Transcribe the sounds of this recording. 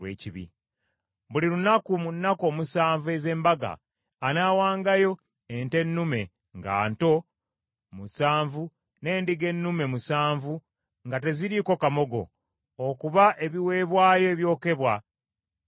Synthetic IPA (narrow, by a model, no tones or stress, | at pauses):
weːciβḭ | βuliɾunakumunːako̞ːmusaːɱvue̞ze̞ːmbaɡa̰ː | naːwaːŋɡajo̞ | ente̞nːume̞ | ŋɡa̰ːnto̞ | musaːɱvu | ne̞ːndiɡe̞nːume̞musaːɱvu | ŋɡate̞ziɾiːko̞kamo̞ɡo̞̰ː | kuβaʔe̞βiwe̞ːβwaːjo̞eβjo̞ːke̞βwa